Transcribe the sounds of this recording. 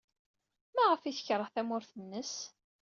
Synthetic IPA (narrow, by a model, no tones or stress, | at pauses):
mæʁəfiθə̥çɾˤəʁθæmʊɾθənːəs